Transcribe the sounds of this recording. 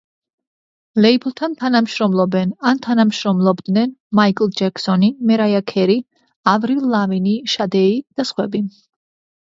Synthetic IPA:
lɛibʰlˠt̪ʰant̪ʰanamʃɾɔmlˠɔbɛnant̪ʰanamʃɾɔmlˠɔbd̪nɛnmaikʼlˠd͡ʒɛksɔnimɛɾajakʰɛɾi | avɾilaviniʃad̪ɛid̪̥asχwɛbi

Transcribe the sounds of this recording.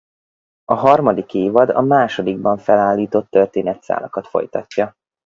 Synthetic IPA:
ɒɦɒrmɒd̪ikeːvɒd̪ɒ̰maːʃo̞d̪iɡbɒɱfɛlaːlːiːt̪o̞t̪ːørt̪eːnɛt̪sa̰ːlɒkɒt̪fo̞̰jt̪ɒcːɒ

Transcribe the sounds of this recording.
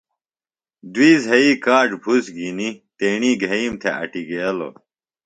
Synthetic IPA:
d̪wiːzɦɐikaːʈbʱusɡinit̪eːɳiːɡʱɐiːmt̪ʰeʔɐ̰ʈiɡelo̰ː

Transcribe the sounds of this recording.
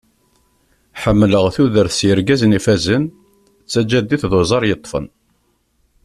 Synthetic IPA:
ħəmːləʁθuðəɾθsjəɾɡæznifæzən | t͡sːæd͡ʒæd̪ːiθðozˤɑɾˤjət̪ˤːfə̰n

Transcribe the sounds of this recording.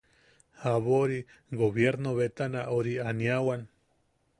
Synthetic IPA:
haβoɾi | ɡoβjeɾnoβet̪anaʔoɾianiawan

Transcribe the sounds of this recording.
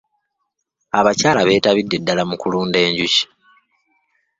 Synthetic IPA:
aβacaːlaβe̞ːtaβidːe̞dːalamukuluːnde̞ːɲɟuci̥

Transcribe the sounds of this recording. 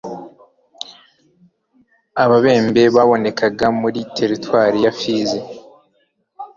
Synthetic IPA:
aβaβe̞ːmbe̞βaβo̞ne̞kaɡamuɾitʰe̞ɾitwaːɾijafiːzi

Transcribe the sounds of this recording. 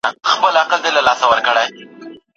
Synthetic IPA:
axpəlaqəld̪elalɑsawəɾkəɽaj

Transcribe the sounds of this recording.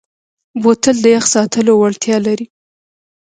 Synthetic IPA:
bot̪əld̪əjaxsɑt̪əlowaɽt̪jɑlaɾi

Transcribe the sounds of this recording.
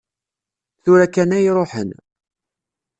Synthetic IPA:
θʊɾækːænæjɾˤoħə̰n

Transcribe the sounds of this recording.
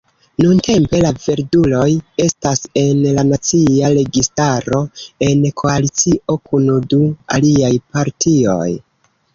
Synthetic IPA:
nunte̞mpe̞lave̞ɾdulo̞je̞stase̞nlanat͡siaɾe̞ɡistaɾo̞e̞nkʰo̞alit͡siʔo̞kunudua̰liajpaɾtʰio̞̰j

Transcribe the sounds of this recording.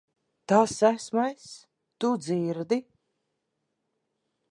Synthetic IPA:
t̪aːsːæsmajs | t̪ud̪ziːɾd̪i

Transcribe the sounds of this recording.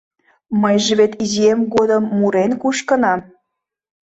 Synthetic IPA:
məjʒeβet̪iziemɡod̪ə̆mːuɾenkuʃkə̆nɑm

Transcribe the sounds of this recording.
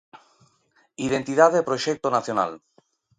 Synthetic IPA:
ið̞ent̪iðaðepɾoʃek̚t̪onaθjona̰l

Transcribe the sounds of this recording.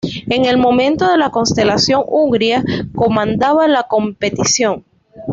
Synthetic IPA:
e̞ŋe̞lmõ̞mẽ̞nt̪o̞ðe̞lako̞nst̪e̞lasjo̞ŋuŋɡɾiako̞mãnd̪aβalako̞mpe̞t̪isjo̞ŋ

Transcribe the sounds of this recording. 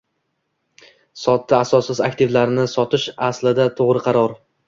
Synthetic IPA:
sɒt̪ːaasɒsɪzakt̪ʰɪvlaɾnɪsɒt̪ʰɪʃaslɪd̪at̪ʰoʁɾɪqʰɑɾɒɾ

